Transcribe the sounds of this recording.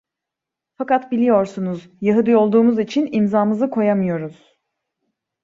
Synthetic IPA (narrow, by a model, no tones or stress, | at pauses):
fakat̪bilʲijo̞ɾsunuz | jaɦɯd̪ɯjo̞lˠd̪uːmuzit͡ʃʰinimzaːmɯzɯkʰo̞jamɯjo̞ɾuz̥